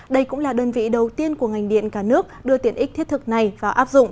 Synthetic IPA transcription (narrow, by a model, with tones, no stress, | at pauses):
ɗə˧jkʊ̰˧˥ŋ͡mlaː˨˩ɗəː˧nvḭ˧˨ɗə˨˩wt̪i˧ənku˧˩əŋa˨˩jŋ̟ɗḭ˧˨ənkaː˧˩nɨ˦˥ək̚ɗɨ˧ət̪i˨˩nʔi˦˥t̪ʰt̚t̪ʰɨ˨˩k̚na˨˩jvaː˨˩ʔaː˦˥p̚zʊ̰˧˨ŋ͡m